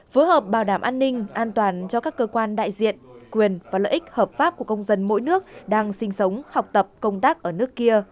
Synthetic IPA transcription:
fəː˨˦həː˨˩p̚ɓaː˨˩wɗaː˧˩mʔaː˧nːï˧ŋ̟ʔaː˧nt̪waː˨˩nt͡ɕɔ˧kaː˦˥kːəː˧kwaː˧nɗa̰ː˧˨jzḭ˧˨ənkwi˨˩ənvaː˨˩lə̰ː˧˨ʔï˦˥k̟̚həː˨˩p̚faː˦˥p̚ku˧˩əkə˧wŋ͡mzə˧nmo̰˧˥jnɨ˦˥ək̚ɗaː˧ŋsï˧ŋ̟sə˨˦wŋ͡mha˨˩wk͡p̚t̪ə˨˩p̚kə˧wŋ͡mt̪aː˦˥k̚ʔəː˧˩nɨ˦˥əkːi˧ə

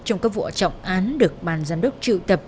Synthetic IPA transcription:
t͡ɕɔ˧wŋ͡mkaː˦˥k̚vɔ̰˧˩t͡ɕɔ̰˧˨wŋ͡mʔaː˨˦nɗɨ˨˩ək̚ɓaː˨˩nzaː˧mɗə˦˥wk͡p̚t͡ɕɨ̰˧˨t̪ə˨˩p̚

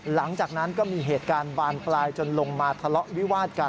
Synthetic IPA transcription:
la˩˦ŋt͡ɕaː˨˩k̚na˦˥nkɔː˥˩miː˧ɦeː˨˩t̪̚kaː˧nbaː˧nplaː˧jt͡ɕo˧nlo˧ŋmaː˧t̪ʰa˧lɔ˦˥ʔwi˦˥waː˥˩t̪̚ka˧

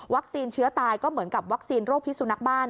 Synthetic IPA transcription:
wa˦˥k̚siː˧nt͡ɕʰɯ˦˥ɐt̪aː˧jkɔː˥˩mɯ˩˦ənka˨˩p̚wa˦˥k̚siː˧nɾoː˥˩k̚t̪ʰi˦˥su˧na˦˥k̚baː˥˩n

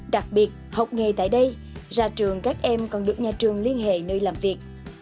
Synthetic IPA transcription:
ɗa˨˩k̚ɓi˨˩ət̚hə˨˩wk͡p̚ŋe˨˩t̪a̰ː˧˨jɗə˧j | zaː˧t͡ɕɨ˨˩əŋkaː˦˥k̚ʔɛ˧mkɔ˨˩nɗɨ˨˩ək̚ɲaː˨˩t͡ɕɨ˨˩əŋli˧ənɦḛ˧˨nəː˧jlaː˨˩mvi˨˩ək̚

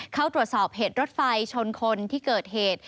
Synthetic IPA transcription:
kʰa˦˥˩wt̪ɾu˨˩ət̪̚sɔː˨˩p̚ɦeː˨˩t̪̚ɾo˦˥t̪̚fa˧jt͡ɕʰo˧nkʰo˧nt̪ʰiː˥˩kɤː˨˩t̪̚heː˨˩t̪̚

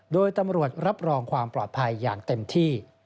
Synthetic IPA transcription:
doː˧jt̪a˧mɾu˨˩ət̪̚ɾa˦˥p̚ɾɔː˧ŋkʰwaː˧mplɔː˨˩t̪̚pʰa˧jːaː˨˩ŋt̪e˧mt̪ʰiː˥˩

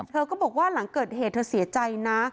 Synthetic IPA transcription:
t̪ʰɤː˧kɔː˥˩bɔː˨˩k̚waː˥˩la˩˦ŋkɤː˨˩t̪̚heː˨˩t̪̚ʰːɤː˧si˩˦ɐt͡ɕa˧jna˦˥

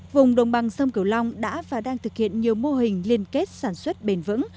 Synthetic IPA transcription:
vʊ˨˩ŋ͡mɗə̰˧˨wŋ͡mɓa˨˩ŋsə˧wŋ͡mki˧˩əwla˧wŋ͡mɗa̰ː˧˥vaː˨˩ɗaː˧ŋt̪ʰɨ˨˩k̚hḭ˧˨ənɲi˨˩əwmo˧ɦï˨˩ŋ̟li˧ənke˦˥t̚saː˧˩nswə˦˥t̚ɓe˧˩nvɨ̰˧˥ŋ

